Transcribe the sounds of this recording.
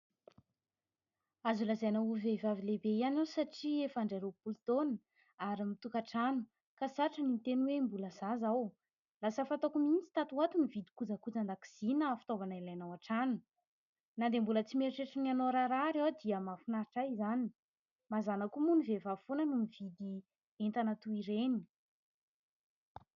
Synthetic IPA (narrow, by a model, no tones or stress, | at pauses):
azulazajnauvevavilebeijanasaʈ͡ʂiefaɳɖ͡ʐeɾopult̪oni | aɾimit̪ukaʈ͡ʂanu̥ | kasaʈ͡ʂənint̪enwembuləzazaw | lasəfat̪okumint͡si̥t̪at̪uat̪umivid̪i̥kud͡zakud͡zand̪aki̥z̥inafi̥t̪ovanailajnawaʈ͡ʂanu̥ | nand̪embulət͡simeɾiʈ͡ʂeʈ͡ʂənianoɾaɾaɾewd̪iəmafinaɾiʈ͡ʂaizani̥ | mazanakumunivevafonənumivid̪i | ent̪anət̪uiɾeni